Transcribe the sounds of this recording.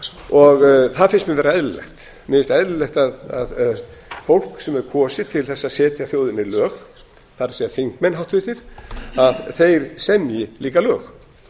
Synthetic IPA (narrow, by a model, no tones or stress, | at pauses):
ɔɣθaðfɪnsmɪnvɛːɾaɛðlɛ̰xt̪ | nɪːɪst̪ɛðllɛxt̪aðaðɛs | fowl̥ksɛmɛɾkʰɔːsɪt̪ʰɪlθɛsːaðsɛːt̪jaθjoːwðɪnɪlœːx | θaɾsiafiŋkmɛnɦaw̥ht̪vɪt̪ɪɾ̥aðθejɾ̥sɛmjɪliːkalœːx